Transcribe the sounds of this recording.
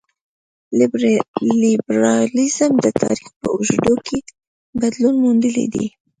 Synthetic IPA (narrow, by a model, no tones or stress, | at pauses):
libɾɑlizəmd̪ət̪ʰɑ̰ɾixpə̰ʊʒd̪okʰe | bad̪lunmund̪əlḭd̪ḭ